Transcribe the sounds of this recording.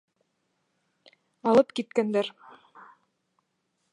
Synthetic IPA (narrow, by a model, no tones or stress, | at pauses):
ɑlˠɤpkit̪̚kænd̪æɾ